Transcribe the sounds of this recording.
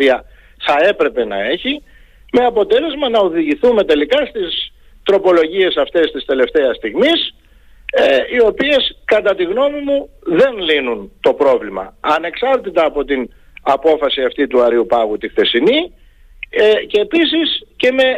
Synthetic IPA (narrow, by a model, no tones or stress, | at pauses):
iɐ | θɐe̞pɾe̞pe̞nɐ̰e̞çi | me̞ɐpo̞t̪e̞le̞zmɐnɐoðiʝiθume̞t̪e̞likɐst̪is | t̪ɾo̞po̞lo̞ʝie̞sɐft̪e̞st̪ist̪e̞le̞ft̪e̞ɐst̪iɣmis | eio̞pie̞skɐt̪ɐt̪iɣno̞mimu | ðe̞nlinunt̪o̞pɾo̞vlimɐ̰ɐne̞ksɐɾt̪it̪ɐːpo̞t̪in | ɐpo̞fɐsiɐft̪it̪uɐɾiupɐɣut̪ixθe̞sini | eceːpisisce̞me̞